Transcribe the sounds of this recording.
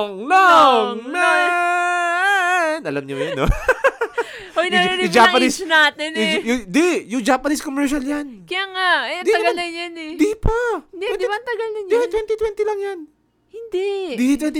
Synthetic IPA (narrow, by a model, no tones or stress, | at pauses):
ŋloŋm | nɐlɐmɲʊjao | ʔojnɐiɾɪd͡ʒapɐnisnaːt̪ɛnjʊd̪ijʊŋd͡ʒapɐniskomɛɹʃɐljankɐjaːŋaɛd̪iɐɡalɐjanɛd̪ipaɛd̪ɐnt̪ɐɡɐlɐd̪it̪wɛnt̪it̪wɛnt̪ilɐŋjan | hɪnd̪ɛd̪it̪wɛnt̪